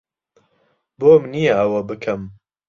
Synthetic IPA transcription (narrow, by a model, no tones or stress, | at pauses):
boːmnijɐɐwɐbɨkʰɐm